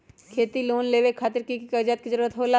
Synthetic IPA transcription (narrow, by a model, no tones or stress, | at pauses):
kʰeːt̪iloːnleːʋekʰaːt̪əɾkikkəd͡ʒət̪̚kizəɾuːɾət̪ɦoːla